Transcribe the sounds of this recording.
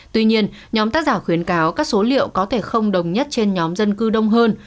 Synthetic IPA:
t̪wi˧ɲi˧ən | ɲɔ˨˦mt̪aː˦˥k̚zaː˧˩xwi˨˦ənkaː˨˦wkaː˦˥k̚so˨˦lḭ˧˨əwkɔ˨˦t̪ʰe˧˩xə˧wŋ͡mɗə˨˩wŋ͡mɲə˦˥t̚t͡ɕe˧nɲɔ˨˦mzə˧nkɨ˧ɗə˧wŋ͡mɦəː˧n

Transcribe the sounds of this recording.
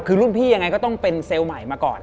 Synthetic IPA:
kʰɯː˧ɾu˥˩npʰiː˥˩ja˧ŋːa˧jkɔː˥˩t̪ɔ˥˩ŋpe˧nseː˧wma˨˩˦jmaː˧kɔ̰ː˨˩n

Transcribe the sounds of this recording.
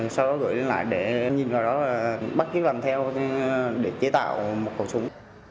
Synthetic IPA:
sa˧wɗɔ˨˦ɣə̰˧˨jle˧nla̰ː˧˨jɗe˧˩ɲi˨˩nvaː˨˩wɗɔ˨˦laː˨˩ɓa˦˥t̚ki˦˥k̚laː˨˩mt̪ʰɛ˧w | ɗe˧˩t͡ɕe˨˦t̪a̰ː˧˨wmo˨˩t̚kə̰˨˧˩w̚sə˨˦wŋ͡m

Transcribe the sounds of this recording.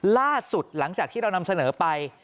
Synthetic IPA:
laː˥˩su˨˩t̪̚la˩˦ŋt͡ɕaː˨˩k̪̚ʰiː˥˩ɾa˧wna˧msa˧nɤː˩˦pa˧j

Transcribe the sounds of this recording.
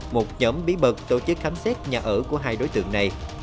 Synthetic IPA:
mo˨˩t̚ɲɔ˨˦mɓi˨˦ɓə˨˩k̚t̪o˧t͡ɕɨ˦˥k̚xa˨˦msɛ˦˥t̚ɲaː˨˩ʔəː˧˩ku˧˩əɦaː˧jɗo˨˦jt̪ɨ̰˧˨əŋna˨˩j

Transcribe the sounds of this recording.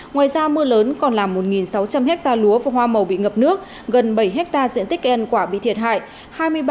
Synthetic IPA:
ŋwaː˨˩jzaː˧mɨ˧ələː˨˦nkɔ˨˩nlaː˨˩mːo˨˩t̚ŋi˨˩nsa˨˦wt͡ɕa˧mhɛ˦˥k̚t̪aː˧lu˨˦əva˨˩hwaː˧mə˨˩wɓḭ˧˨ŋə˨˩p̚nɨ˦˥ək̚ | ɣə˨˩nɓə˧˩jɦɛ˦˥k̚t̪aː˧zḭ˧ənt̪ï˦˥k̚ʔnkwaː˧˩ɓḭ˧˨t̪ʰi˨˩əɦa̰ː˧˨j | haː˧jmɨ˧əj

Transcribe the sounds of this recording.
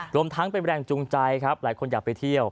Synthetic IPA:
ɾu˧əmt̪ʰa˦˥ŋpe˧nɾɛː˧˩ŋt͡ɕu˧ŋt͡ɕa˧jkʰɾa˦˥p̚laː˩˦jkʰo˧njaː˨˩pa˧jt̪ʰi˥˩əw

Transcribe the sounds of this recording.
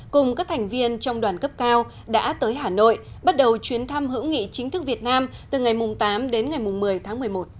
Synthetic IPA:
kʊ˨˩ŋ͡mkaː˦˥k̚t̪ʰa˨˩jŋ̟vi˧ənt͡ɕɔ˧wŋ͡mɗwaː˨˩nkə˦˥p̚kaː˧w | ɗa̰ː˧˥t̪əː˨˦jɦaː˧˨˩no̰˧˨j | ɓa˦˥t̚ɗə˨˩wt͡ɕwi˨˦ənt̪ʰa˧mhɨ̰˧˥wŋḭ˧˨t͡ɕï˨˦ŋt̪ʰɨ˦˥k̚vi˨˩ət̚naː˧mt̪ɨ˨˩ŋa˨˩jmʊ˨˩ŋ͡mt̪aː˨˦mɗe˨˦nŋa˨˩jmʊ˨˩ŋ͡mmɨ˨˩əjt̪ʰaː˨˦ŋmɨ˨˩əjmo˨˩t̚

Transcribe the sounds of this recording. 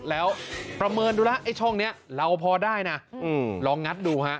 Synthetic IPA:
lɛː˦˥wpɾa˧mɤː˧nduː˧la˦˥ʔha˥˩jt͡ɕʰɔ˥˩ŋni˦˥ɐɾa˧wpʰɔː˧daː˥˩jna˦˥ɯː˧lɔː˧ŋːa˦˥t̪̚duː˧ɦa˦˥ʔ

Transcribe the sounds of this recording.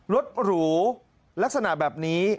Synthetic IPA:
ɾo˦˥t̪̚ɾuː˩˦ | la˦˥k̚sa˧na˨˩ʔbɛː˨˩p̚niː˦˥

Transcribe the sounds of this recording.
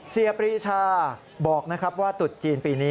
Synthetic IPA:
si˧ɐpɾiː˦˥t͡ɕʰaː˧˩ | bɔː˨˩k̚na˦˥kʰa˦˥p̚waː˥˩t̪u˨˩t̪̚t͡ɕiː˧npiː˧niː˦˥

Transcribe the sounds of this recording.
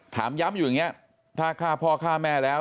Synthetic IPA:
t̪ʰa̰ː˩˦mja˦˥mjuː˨˩ŋi˦˥ɐ | t̪ʰaː˥˩kʰaː˥˩pʰɔː˧kʰaː˥˩mɛː˧˩lɛː˦˥

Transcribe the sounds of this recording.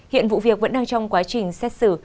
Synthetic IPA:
hḭ˧˨ənvṵ˧˨vi˨˩ək̚və̰˧˥nɗaː˧ŋt͡ɕɔ˧wŋ͡mkwaː˨˦t͡ɕï˨˩ŋ̟sɛ˦˥t̚sɨ˧˩

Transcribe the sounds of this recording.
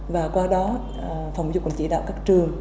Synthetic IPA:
vaː˨˩kwaː˧ɗɔ˨˦ | fa˨˧˩wŋ͡mzʊ˧˩k͡p̚kʊ˧˩ŋ͡mt͡ɕi˧˩ɗa̰ː˧˨wkaː˦˥k̚t͡ɕɨ˨˩əŋ

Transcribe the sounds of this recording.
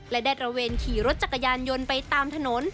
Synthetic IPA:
lɛ˦˥daː˥˩t̪̚ɾa˧weː˧nkʰiː˩˦ɾo˦˥t̪̚t͡ɕa˨˩ka˧jaː˧njo˧npa˧jt̪aː˧mt̪ʰa˧no˩˦n

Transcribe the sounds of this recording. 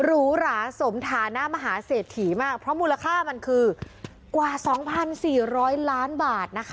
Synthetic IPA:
ɾuː˦˥ɾaː˩˦so˩˦mt̪ʰaː˩˦na˦˥ma˧ɦaː˩˦seː˨˩t̪ʰːiː˩˦maː˥˩k̚pʰɾɔ˦˥muː˧la˧kʰaː˥˩ma˧nkʰɯː˧ | kwaː˨˩sɔː˩˦ŋpʰa˧nsiː˨˩ɾɔː˦˥jlaː˦˥nbaː˨˩t̪̚na˦˥kʰ

